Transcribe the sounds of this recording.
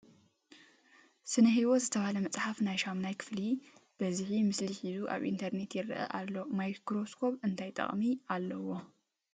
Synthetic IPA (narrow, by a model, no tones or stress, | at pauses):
sɨnɐɦiβo̞zɨt̪ʰɐβalɐmɐt͡sʼħafnajʃamnajkʰɨ̥flib̥ɐziħimɨsliħizuʔa̰βʔḭnt̪ʰɐɾne̞t̪jɛɾʔɐ̰ʔalːomajkɾo̞skʰo̞pɨnt̪ʰajt̪ʼɐ̰χʼmialːɐwo̞